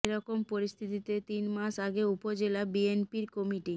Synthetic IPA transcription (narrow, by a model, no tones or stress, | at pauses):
eɾɔkompoɾist̪ʰit̪it̪et̪inmaʃaɡeupod͡ʑelabienpiɾkɔmiʈi